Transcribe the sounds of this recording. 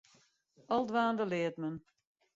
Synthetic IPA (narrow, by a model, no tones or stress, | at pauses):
ɔlˠdʋaːndəlɪətmən